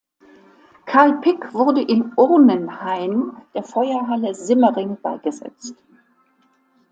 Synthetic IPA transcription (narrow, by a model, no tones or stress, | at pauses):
kʰaɐlpʰɪkv̥ʊʁdəʔɪnʔʊʁnənhaɪmd̥eːɐfɔʏɐɦaləzɪməʁɪŋb̥a̰ɪɡ̥əzɛ̰t͡st